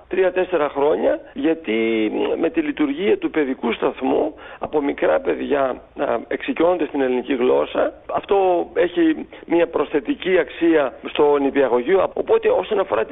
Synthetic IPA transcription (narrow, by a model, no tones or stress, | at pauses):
t̪ɾiɐt̪e̞se̞ɾɐxɾo̞ɲɐʝɐt̪ime̞t̪ilit̪uɾʝiɐt̪upe̞ðikust̪ɐθmuɐpo̞mikɾɐpe̞ðʝɐ | eksicio̞nond̪est̪ine̞liniciɣlo̞sɐɐft̪o̞e̞çimiɐpɾo̞sθe̞t̪iciɐksiɐst̪o̞nipiɐɣo̞ʝioɐo̞̰po̞t̪e̞o̞so̞nɐfo̞ɾɐt̪